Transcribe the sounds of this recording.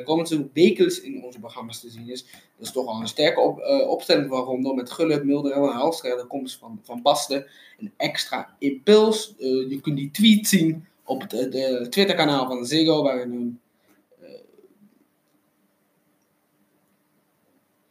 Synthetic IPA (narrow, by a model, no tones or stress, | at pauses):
koməntuʋeːkənsɪnɔnzəproχrɑmastəzinɪs | d̥ɔtɪstɔχɔlˠənstɛɹkəɔpstɛlɪŋvaːrɔndomɛtχøləpmɪlˠdərənənɦɑlˠstɛχdəkɔmsvɑnbɑstə | ənɛkstra̰ɪmpølˠsjəkɵntditʋitsin | ʔɔptʋɪtəɹkanaːlˠvɑndəzeɡoːʋaːrənən